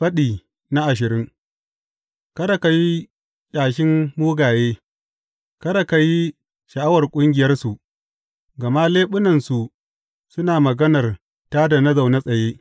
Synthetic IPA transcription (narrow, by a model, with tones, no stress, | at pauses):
ɸɐ˦ɗiː˨ | na˦ʔa˨ʃ̬ɪ˨ɾɪ˦ŋ | kɐ˦ɽa˨ka˨ji˦ | kʲʼaː˨ʃɪ˦mːuː˦ɡaː˨jeː˦ | kɐ˦ɽa˨ka˨ji˦ | ʃɐ˨ʔa˦wɐ˨rkʷʼʊ˦ŋɡʲɪ˨jɐ˦rsu˨ʔ | ɡɐ˨ma˦leː˦ɓʊ˦nɐ˨nsu˨ | sʊ˦naː˨mɐ˨ɡɐ˦nɐ˨r | taː˦da˨na˦za˨wna˦sʼɐ˨jeː˦